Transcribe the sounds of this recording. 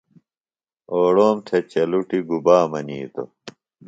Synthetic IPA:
oːɽoːmʈʰet͡ɕɐluʈiɡubaːmɐniːt̪o̰

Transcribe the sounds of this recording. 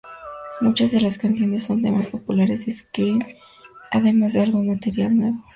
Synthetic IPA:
mut͡ʃazðe̞laskanθjo̞ne̞sːo̞nt̪e̞̰maspo̞pulaɾezeskiβen | a̰ðe̞mazðealɣomat̪e̞ɾjalnwe̞βo

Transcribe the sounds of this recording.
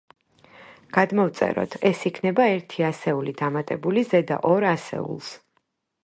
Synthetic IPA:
ɡ̥ad̪mɔvt̪sʼɛ̰ɾɔ̰t̪ʰɛsikʰnɛbaɛɾt̪ʰiasɛulid̪amat̪ʼɛbulizɛd̪a̰ʔɔɾasɛ̰ṵlˠs

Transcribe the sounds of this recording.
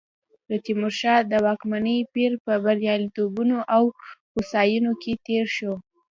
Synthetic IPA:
ɾət̪imʊɾʃɑd̪əwɑkmanəjpiɾpəbaɾjɑlit̪obunoʔawxusɑjunoket̪eɾʃo

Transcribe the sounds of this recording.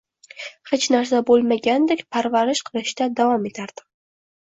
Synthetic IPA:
het͡ʃnaɾsabolˠmaɡʲand̪ekʲpʰaɾvaɾɪʃqʰɨlˠɪʃt̪ad̪avɒme̞t̪ʰaɾd̪̥ɪ

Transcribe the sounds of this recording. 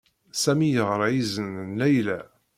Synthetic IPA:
sæmijəʁɾˤʕizənnlæjlæ

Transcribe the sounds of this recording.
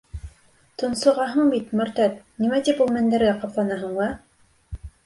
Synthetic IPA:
t̪ŏnsŏʁɑɦɤɴbit̪mɵ̆ɾt̪æt̪̚nimæt̪ipulˠmæ̆nd̪æɾɡæqɑplˠɑnɑɦɤ̆ɴɑ

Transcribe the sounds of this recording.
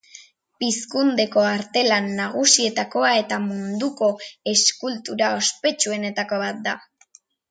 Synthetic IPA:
piskund̪e̞ko̞aɾt̪e̞lanːaɣ̞usie̞t̪ako̞ae̞t̪amund̪uko̞e̞skult̪uɾao̞spe̞t͡ʃue̞ne̞t̪ako̞βat̪̚d̪a

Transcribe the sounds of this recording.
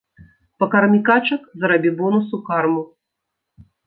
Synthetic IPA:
pɐkɐrmʲikat͡ʂɐkzɾɐbʲibɔnusukarmu

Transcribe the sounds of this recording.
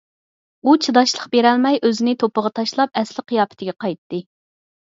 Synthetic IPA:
ut͡ʃʰɨd̪ɑʃlˠəqbeɾɛlmɛjʔøzɪnɪt̪ʰopəʁɑt̪ʰɑʃlˠɑp̚ɛslɪqʰijɑːpʰɪ̥t̪ʰɪɡʲɛqʰɑjt̪ːɨ

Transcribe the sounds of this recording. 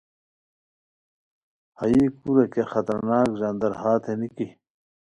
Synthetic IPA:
hɐjikuɾekexɐt̪ɐɾnaːkzɐnd̪ɐɾhaːt̪ʰeniki

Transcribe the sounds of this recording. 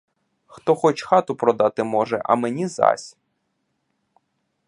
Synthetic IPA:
xt̪ɔxɔt͡ʃxɑt̪ʊpɾɔd̪ɑt̪ɪmɔʒɛ̰ʔɐ̰menʲizɑ̰sʲ

